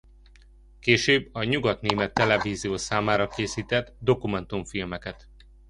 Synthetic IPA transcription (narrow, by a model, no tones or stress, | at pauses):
keːʃøːbːɒɲuɡɒt̪neːmɛt̪ːɛlɛviːzijoːsaːmaːɾɒkeːsiːt̪ɛd̪d̪o̞kumɛnt̪uɱfilmɛkɛt̪